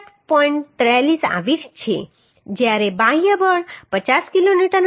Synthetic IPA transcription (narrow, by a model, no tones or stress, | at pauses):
ʈpɔiɳʈt̪ɾalisa̰ʋitt͡ʃʰḛ | d͡ʒjaɾebaɦijabəɽpət͡ʃaskiloniʈəɾn